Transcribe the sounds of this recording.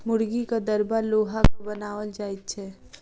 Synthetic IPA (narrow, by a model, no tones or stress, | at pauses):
mʊɽɡikad̪əɾbaɾloːɦakobənaːʋəld͡ʒaːit̪̚t͡ʃʰɛː